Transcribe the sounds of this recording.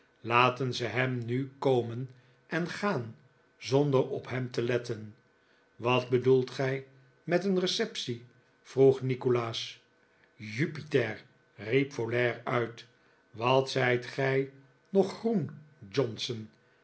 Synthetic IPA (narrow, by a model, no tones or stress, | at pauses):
laːtənzəɦɛmnykowmən | ʔɛnχaːn | zɔndəɾɔpɦɛmtəlɛtən | ʋɑtbədulˠtχɛj | mɛtənrəsɛpsi | fruχnikolaːs | jypitɛɹ | ripfolɛːɹœɥt | ʋɑtsɛjtχɛj | nɔχːrund͡ʒɔnsən